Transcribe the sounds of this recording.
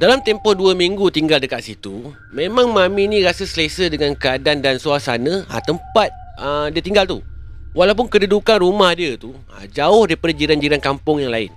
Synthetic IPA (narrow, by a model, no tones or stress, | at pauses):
dalamt̪ɛmpɔhduəmĩŋɡut̪iŋɡaldəkat̪̚sit̪u | mẽmãŋmãmĩnĩɾasəsəlesədəŋãnkəadandansuasa̰nə̃a̰t̪əmpat̪̚ | ədiət̪iŋɡalt̪uwalawp̬ʊnkədədukanrumahdiət̪u | a̰d͡ʒaʊhdaipadad͡ʒiɾand͡ʒiɾankampʊŋjaŋlaɪ̰n